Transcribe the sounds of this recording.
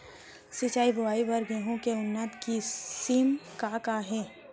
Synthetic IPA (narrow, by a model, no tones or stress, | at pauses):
sɪt͡ʃaːibʱʊʋaːibɐɾɡeːɦõkeʊnːət̪kisiːmkakaɦɛː